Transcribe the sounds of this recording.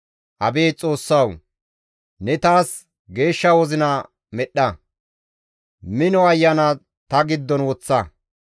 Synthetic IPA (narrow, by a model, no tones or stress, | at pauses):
ʔɐbe̞ːt͡sʼo̞ːsːɐw | nɛt̪aːs | ɡe̞ːʃːɐwɔzɪnɐ | mɛɗːɐ | mɪnɔɐjːɐnɐ | t̪ɐɡɪd̪ːɔnwɔt͡sːɐ